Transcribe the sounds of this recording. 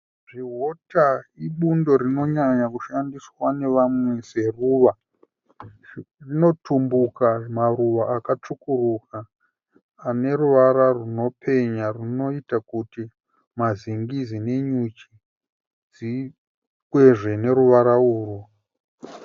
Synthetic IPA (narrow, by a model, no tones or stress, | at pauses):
ʐiɦotaiɓundo̞ɾino̞ɲaɲakuʃandiswane̞ʋamwe̞se̞ruːʋa | rino̞tʰumbukamaruʋaːkat͡ʂukurukaː | ne̞ɾuʋaɾaruno̞pʰe̞ɲarino̞itakuti | maziŋɡizine̞ɲut͡ʃi | d͡zi | kwe̞ʐe̞ne̞ɾuʋaɾauːru